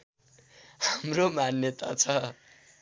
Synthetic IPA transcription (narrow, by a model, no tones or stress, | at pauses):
hamromanjʌt̪at͡sʰʌ